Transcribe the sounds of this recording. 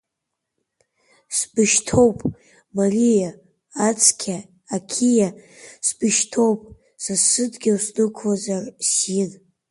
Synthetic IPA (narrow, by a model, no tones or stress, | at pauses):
sbɨʃtʰowpʼ | marʲijaː | t͡sʰkʲʰaː | kʲʰija | sb̥ɨʃtʰo̞wpʼ | sasɨdɡʲawsnɨkʷʰazarsin